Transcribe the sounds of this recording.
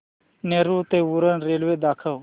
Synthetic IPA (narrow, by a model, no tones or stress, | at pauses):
neːɾut̪euɾənɾeːlweːd̪aːkʰəw